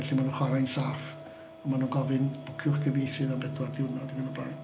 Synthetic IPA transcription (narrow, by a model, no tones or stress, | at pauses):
ɛɬimanuχwaɾajnsaːf | ɔmanuɡɔvɨnb̥ʊkʰjʊχɡʰəvejθɨðambɛdwadɪwnɔdiɡənɔblajd̥